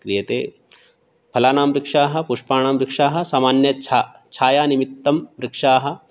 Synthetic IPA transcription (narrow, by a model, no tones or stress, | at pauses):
kɾijɐt̪ḛː | pʰɐlaːnaːmɾikʂaːɦɐ̆puʂpaːnaːmɾɪkʂaːɦɐ̆saːmaːnjɐt͡ʃʰa | t͡ʃʰaːjaːnimit̪ːɐmɾɪkʂaːɦɐ̆